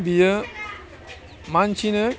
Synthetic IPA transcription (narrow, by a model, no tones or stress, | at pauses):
bijə | mant͡ʃʰinə